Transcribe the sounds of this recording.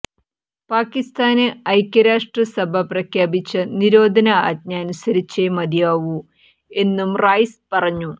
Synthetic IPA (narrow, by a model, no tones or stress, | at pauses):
paːkːist̪aːneɐjkʲːɐɾaːʂʈrɐsɐbʱɐprɐkʰjaːbit͡ɕːɐniɾo̞ːd̪ʱɐnɐa̰ːd̪̚ɲɐːnusɐɾit͡ɕːemɐd̪jaːʋu | e̞nːumraːjspɐrɐɲːu